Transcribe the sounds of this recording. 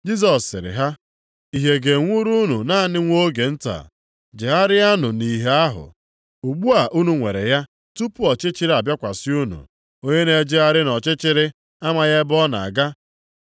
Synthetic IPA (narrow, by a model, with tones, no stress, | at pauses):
d͡ʒi˦s̬ɔ˨sːɪ̰˨ɾɪ̰˨ɦa˦ | i˨ɦe˨ɡe˨ŋʷu˦ɾu˦nu˨na˦˨nɪ˦ŋʷo˦ɡe˨n̩˦ta̰˨ | d͡ʒɪ˨a˦ɾɪ˦a˦nʊ˨ni˨ɦe˦a˦ɦʊ̰˨ | u˨ɡ͡bu˦a˨ʔu˦nu˨ŋʷe˨ɾḛ˨ja˦ | tu˦pʊ˦ɔ˨t͡ʃɪ˦t͡ʃɪ˦ɾa˨bja˦kʷa˨sɪ˦u˦nṵ˨ | o˦ɲe˦ne˨˦d͡ʒɪ˦a˦ɾɪ˦nɔ˨t͡ʃɪ˦t͡ʃɪ˦ɾɪ˦ | a˦ma˨ɣe˦bɔ˦na̰˨a̰˨ɡa˦